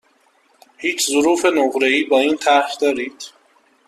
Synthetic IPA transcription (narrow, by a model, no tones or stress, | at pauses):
hiːt͡ʃʰzʊɾuːfe̞noɣɾeiːbɒːiːnt̪ʰæɾxd̪ɒːɾiːd̪̥